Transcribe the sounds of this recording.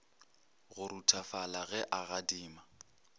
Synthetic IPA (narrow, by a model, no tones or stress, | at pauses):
ɣʊɾutʰafalaɣɛʔaɣadiːma